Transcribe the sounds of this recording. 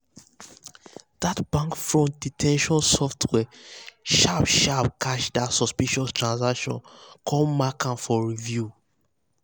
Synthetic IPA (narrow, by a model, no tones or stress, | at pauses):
datb̥ãŋkfɹɔ̃nt̚d̥itʰɛ̃nʃɔ̃nsɔftʰwɛʃabʃapkʰaʃdatsɔspiʃɔstɹãnzakʃɔ̰̃nkʰɔlmakʰãnfɔɹivju